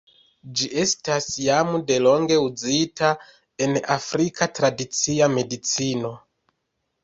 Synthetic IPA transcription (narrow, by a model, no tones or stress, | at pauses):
d͡ʒie̞stasjamude̞lo̞ŋɡe̞ud͡zita | e̞nafɾikatɾadit͡siame̞dit͡sino̞